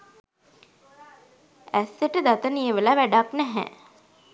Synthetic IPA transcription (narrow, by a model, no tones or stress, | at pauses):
æsːeʈəd̪at̪ənijəʋəlaʋæɖaknæɦɛ̰